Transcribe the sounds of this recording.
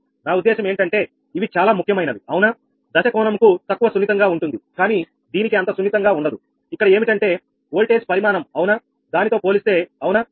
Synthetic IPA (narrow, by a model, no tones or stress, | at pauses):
naːud̪ːɛːʃɐme̞ːɳʈɐɳʈe̞ː | iʋit͡ʃaːlaːmukʰjɐmɐjnɐd̪iɐwna | d̪ɐʃɐkɔːɳɐmkut̪ɐkːuʋɐsunːit̪ɐŋɡaːuɳʈund̪ikaːniː | d̪iːnikiɐnt̪ɐsunːit̪ɐŋɡaːuɳɖɐd̪u | ikːɐɽɐe̞ːmiʈɐɳʈe̞ː | oːlʈeːspɐɾimaːnɐmɐwuna | d̪aːnit̪o̞ːpo̞ːlist̪e̞ːɐwna